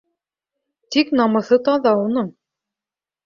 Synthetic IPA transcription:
t̪iknɑmɤ̆θɤt̪ɑðɑunɤɴ

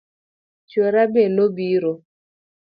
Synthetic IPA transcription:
t͡ʃweɾabenobiɾo

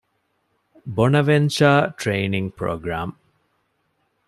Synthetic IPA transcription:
bonɐʋenʃaːʈɾeːniŋɡpɾo̰ːɡɾaːm

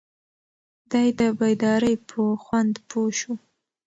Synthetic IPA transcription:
d̪ɑjd̪əbajd̪ɑɾəjpʰəxwand̪pʰoʃu

